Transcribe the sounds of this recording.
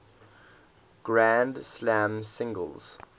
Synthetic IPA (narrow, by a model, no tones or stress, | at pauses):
ɡ̥ɹæ̃ndslæ̃msɪ̃ŋɡə̰lˠz̥